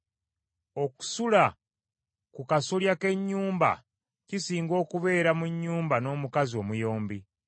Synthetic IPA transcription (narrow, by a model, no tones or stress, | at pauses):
o̞ku̥sula | kukasuljake̞ɲːuːmba̰ | cisiːŋɡo̞ːkuβe̞ːɾamuɲːuːmbano̞ːmukazio̞ːmujo̞ːmbi